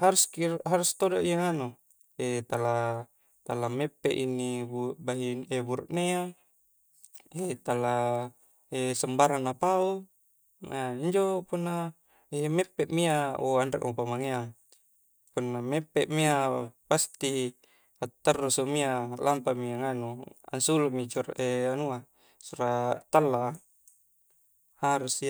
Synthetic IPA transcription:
haɾuskiɦaɾust̪odoʔiaŋanu | et̪ala | t̪alamepːeʔinːibubaɦiebuɾṵʔnea | et̪ala | esəmbaɾanːapau | aiɲd͡ʒopunːa | emepːeʔmiaoandḛʔmopamaŋea | punːamepːeʔmiapast̪i | at̪ːərːusomialampamiaŋanua̰nsuluʔmit͡ʃureanua | suɾat̪alːa | haɾusi

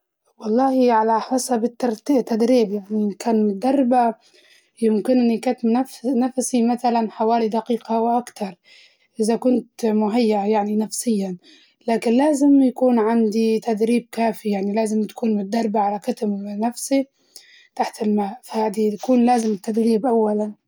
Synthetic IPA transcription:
wɑlˤːɑːhiʕalaħɑsˤɑbɪt̪ːɑɾˤt̪it̪ːad̪ɾiːbjaʕnikaːnmʊt̪d̪ɑrˤːba | jɪmkɪnʔɪnːikat̪mnafnafsimaθalanħawaːlid̪aqiːqawʔakt̪ɑɾˤ | ʔɪzakʊnt̪mʊɦajːaʔajaʕninafsɪjːan | laːkɪnlaːzɪmjakuːnʕand̪it̪ad̪ɾiːb̚kaːfijaʕnilaːzɪmt̪ḁkuːnmʊt̪̚d̪ɑrˤːbaʕalakat̪mnafsi | t̪aħt̪ɪlmaːʔfahaːd̪it̪akuːnlaːzɪmɪt̪ːad̪ɾiːbʔawːalan

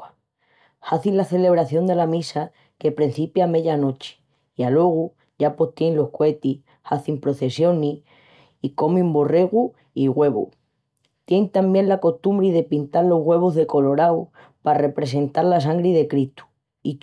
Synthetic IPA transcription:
haθinlaθe̞le̞β̞ɾaθjo̞nd̪e̞lamisa | ke̞pɾen̟θipjame̞ʎano̞t͡ʃe̥ | ialo̞ɣ̞u | ʝapo̞ht̪jenlo̞hkwe̞t̪i | haθimpɾo̞θe̞sjo̞ni | iko̞mĩmbo̞re̞ɣu | iɣwe̞βṵ | t̪je̞ŋt̪ambjẽ̞nlako̞ht̪umbɾiðe̞pint̪aɾlo̞ɦɣwe̞β̞ozðe̞ko̞lo̞ɾaw | pare̞pɾe̞se̞nt̪aɾlas̬aŋɡɾiðe̞kɾit̪u̥ | i

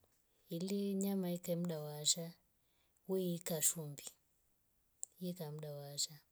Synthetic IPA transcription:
iliɲamaikam̩ɗawaːʃa | wɛikaʃumbi | ikam̩ɗawaːʃa

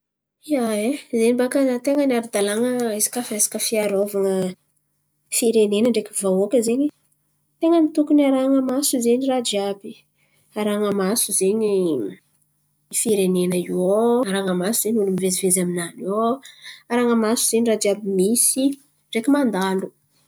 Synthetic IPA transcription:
iaezenibakazat̪eŋənaɾud̪alaŋəizi̥kafesḁkəfiaɾovaŋə | fiɾenenəɳɖ͡ʐekʲivawokəzeɲi | t̪eŋənit̪ukunaɾaŋəmasuzeɲirad͡ʒiabi | aɾaŋəmasuzeɲi | ifiɾenenəioaɾaŋəmasuzeɲulumivezivezaminanioaɾaŋəmasuz̥enirad͡ʒiabimisi | ɳɖ͡ʐekimand̪alu

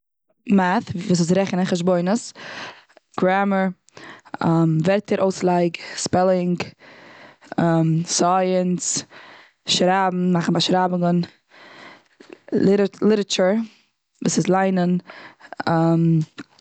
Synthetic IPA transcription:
maθvuːs̬ɪs̬ɾɛχnəχəʃbɔɪnəs | ɡ̥ɾaməɹ | amvɛɾtəɾʔoʊslˠaɪɡspɛlˠɪŋɡ | amsaɪəns | ʃɾabm̩maχn̩baʃɾabɡən | lˠɪɾət͡ʃʊɾ | vuːsɪslˠaɪnən | am

